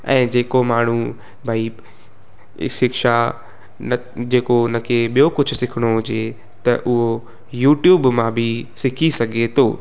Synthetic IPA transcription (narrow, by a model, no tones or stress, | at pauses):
ɛ̰̃ːd͡ʑeːkomaːɳ̤ũ | bʱaːi | sɪkʃa | d͡ʑeːkonɐkʰeɓijokʊd͡ʑʱʊ̆sɪkʰɪɽ̃oɦʊd͡ʑe | t̪ɐʔʊɦo | juːʈjuːbmãbʱɪsɪkʰisɐɡʱet̪ʰoː